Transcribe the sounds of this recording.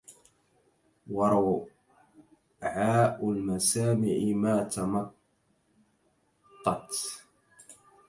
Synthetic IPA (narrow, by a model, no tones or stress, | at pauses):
wɑɾˤ | ʕaːʔʊlmasaːmɪʕɪmaːt̪amɑt̪ | ɑt̪